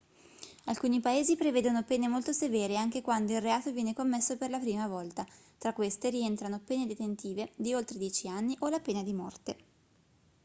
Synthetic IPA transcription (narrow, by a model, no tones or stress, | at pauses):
alkuːnipaeːzipɾeveːd̪onopeːnemolt̪osevɛːɾeaŋk̟ekwand̪oilreaːt̪ovjɛːnekomːesːoperlapɾiːmavɔlt̪at̪ɾakːwest̪eɾient̪ɾanopeːned̪et̪ent̪iːved̪iolt̪ɾed̪jɛːt͡ʃianːiʔolapeːnad̪imɔrt̪e